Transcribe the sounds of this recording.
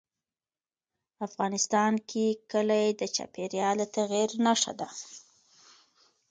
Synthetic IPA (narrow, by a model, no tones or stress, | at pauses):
afɣɑnɪst̪ɑnkʰekəlajed̪ət͡ʃɑ̰peɾjɑlat̪aɣiɾnaʂa̰d̪a